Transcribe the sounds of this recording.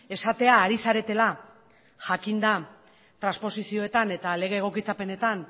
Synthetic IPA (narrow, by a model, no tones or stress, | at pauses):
e̞sat̪e̞aːɾisaɾe̞t̪e̞la | ʝakind̪a | t̪ɾanspo̞sisio̞e̞t̪ane̞t̪ale̞ɣ̞eːɣ̞o̞kit͡sape̞ne̞t̪an